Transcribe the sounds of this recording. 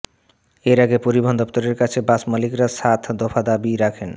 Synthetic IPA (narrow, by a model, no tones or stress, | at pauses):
eɾaɡepoɾibʱond̪ɔpt̪oɾeɾkat͡ɕʰebasmalikɾasat̪ʰd̪ɔfʰad̪abiɾakʰen